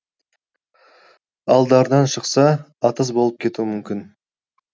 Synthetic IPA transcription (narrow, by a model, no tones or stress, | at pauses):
ɑlˠd̪ɑɾd̪ɑnʃəqsɑːt̪əzbo̞lˠəp̚kʲʰe̞t̪uɪmʏmkʲɪn